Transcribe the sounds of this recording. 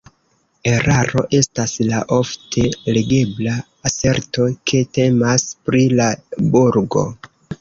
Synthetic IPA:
e̞ɾaɾo̞ʔe̞staslaʔo̞ftʰe̞leɡe̞bla | ase̞ɾto̞kʰe̞te̞maspɾilabuɾɡo̞̰

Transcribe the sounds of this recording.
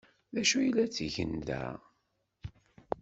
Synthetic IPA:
ðæʃujəlːæt͡sːiʝə̰nd̪æ̰

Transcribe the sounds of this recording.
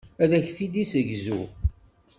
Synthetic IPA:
æðæçθid̪isəʝzṵ

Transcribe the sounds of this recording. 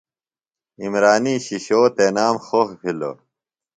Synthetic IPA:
imɾaːniːɕiɕoːt̪eːnaːmxoxpʰilo̰

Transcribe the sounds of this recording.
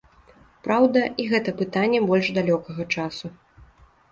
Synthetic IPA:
pɾawd̪ɐʔiɣɛt̪ɐpɨt̪anʲːɛbɔlʲʐd̪alʲɔkɐɣɐt͡ʂasu

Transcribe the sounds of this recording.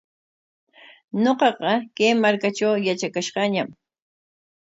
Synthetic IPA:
ɲoqɑqɑkejmaɾkat͡ʃawjat͡ʃakaʃqɑɲam

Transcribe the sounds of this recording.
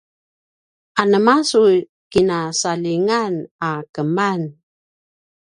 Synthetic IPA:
anəmasu | kinasaliŋanakəman

